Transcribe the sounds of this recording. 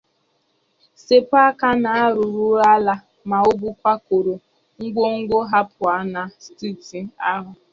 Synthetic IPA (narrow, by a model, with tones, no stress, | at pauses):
se˦pa˦ka˦na˨a˦ɾʊ˨ɾu˦a˦la˦ | ma˨o˦bu˦kʷa˦ko˨ɾo˨ | ŋ̩˦ɡʷo˦ŋ̩˦ɡʷo˦ɦa˦pʊ˨a˨na˨sti˦˨ti˨a˦ɦʊ˨